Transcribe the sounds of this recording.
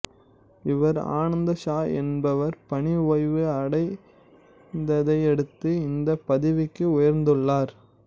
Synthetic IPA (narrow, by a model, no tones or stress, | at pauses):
ɪʋɐɾa̰ːnɐnd̪ɐʂaːɛ̰nbɐʋɐɾpɐɳiʋoːɪʋɯɐɽɐɪ | nd̪ɐðɐɪɛɽɯt̪ːɯɪnd̪ɐpːɐðɪʋɪkːɯʊjɐɾnd̪ɯɭːaːɾ